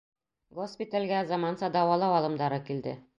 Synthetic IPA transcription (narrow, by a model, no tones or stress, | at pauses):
ɡospʲit̪alʲɡæzɒmɑnsɑd̪ɒwɑlˠɤwɑlˠɤ̆md̪ɑɾɤkild̪ɘ̰